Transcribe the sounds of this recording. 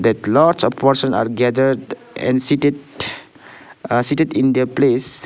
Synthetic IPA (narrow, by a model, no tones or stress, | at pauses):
d̪ɛtlaɾt͡ʃɔfpɔɾsə̃na̰ɾɡɛd̪əɾd | ɛ̰̃nsi | siʈedĩnd̪eples